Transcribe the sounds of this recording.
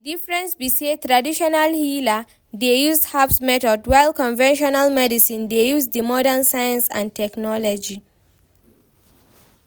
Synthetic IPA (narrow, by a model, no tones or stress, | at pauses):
difɹɛ̃nsbiset̪ɹadiʃɔnalhila | dejusdhapsmɛtɔdwaɪlkɔ̃nvɛ̃nʃɔnalmɛdisĩndejuzdəmɔdãnsajãnsã̰ntʰɛknɔlɔd͡ʒi